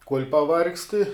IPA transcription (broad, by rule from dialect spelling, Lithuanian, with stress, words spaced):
kuɔlʲ pɐˈʋɐrksʲtʲɪ